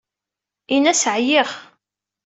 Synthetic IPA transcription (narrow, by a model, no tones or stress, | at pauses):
inæsʕjiχ